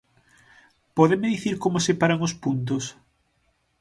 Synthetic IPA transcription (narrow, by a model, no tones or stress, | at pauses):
pɔðɪmeðiθiɾkomosepaɾaŋʊspunt̪̬ʊs